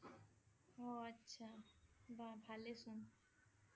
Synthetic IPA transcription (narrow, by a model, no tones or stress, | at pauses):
oətːɕʰababʱalesũn